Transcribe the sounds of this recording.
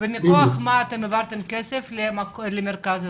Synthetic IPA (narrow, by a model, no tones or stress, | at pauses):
bemikoaχmaːt̪emːevaɾt̪emkeseflemaklemeɾkaz